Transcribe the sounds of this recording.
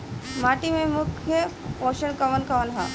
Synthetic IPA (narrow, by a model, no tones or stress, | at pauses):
maːʈimẽmʊkʰjəoʃəɳkɐʋənkɐʋənɦa̰